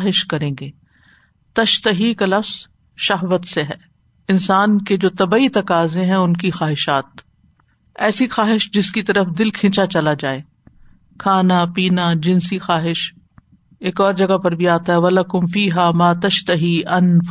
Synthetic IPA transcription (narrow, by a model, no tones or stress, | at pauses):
ɦɪʃkɐɾẽːɡeː | t̪ɐʃt̪ɐɦikalɐfz̥ | ʃɐɦʋət̪seɦɛː | ɪnsaːnked͡ʒoːt̪ɐbait̪ɐkaːzẽɦɛ̃ʊnkixaːɦɪʃaːt̪̚ | ɛːsixaːɦɪʃd͡ʒɪskit̪ɐɾəfd̪ɪlkʰɪ̃ːt͡ʃat͡ʃɐlad͡ʒaːeː | kʰaːnapiːnad͡ʒɪ̃nsixaːɦɪʃ | eːkɔːɾd͡ʒɐɡapɐɾbʱiaːt̪aɦɛʋɐlɐkʊmfiːɦaːmaːt̪ɐʃt̪ɐɦiːɐnf